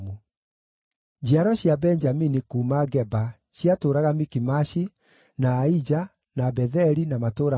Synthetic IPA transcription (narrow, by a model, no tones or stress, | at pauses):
u | d͡ʑiaɾɔɕjabɛnd͡ʒaminikuːmaɡɛba | ɕjatoːɾaɣamikimaʃi | naːid͡ʑa | nabɛðɛɾinamatoːɾa